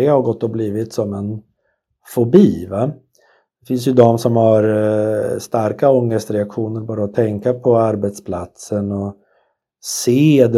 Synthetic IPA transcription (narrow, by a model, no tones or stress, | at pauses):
ɪhaɾɡɔt̪ːɔbliːvɪt̪sɔmɛn | fɔbiːva | d̪̥ɛfɪns̬jɵd̪ɔmsɔmhaɾ | st̪aɾkaɔŋːəst̪ɾɛakɧuːnəɾbɑːɾaɔt̪ʰɛŋkapʰɔaɾbɛt̪spʰlat̪sənɔ | seːd̪